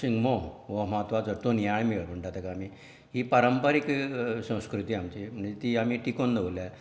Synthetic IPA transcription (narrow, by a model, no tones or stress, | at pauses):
siŋɡmoʋəmat̪ʋat͡səɾt̪onjaɭmiɭpəɳʈat̪ekaːmiː | ɦiːpaɾəmpəɾikɕə̃w̃skɾut̪iːamt͡ɕim̤əɳd͡zet̪iːamiːʈikond̪əʋolja